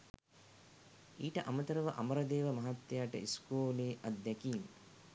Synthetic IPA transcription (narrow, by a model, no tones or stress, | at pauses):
iːʈɐʔamət̪ɐɾɐʋɐʔamɐɾɐd̪eːʋɐmɐɦat̪jaːʈɐ̰ʔiskoːleːʔɐd̪ːɛkiːn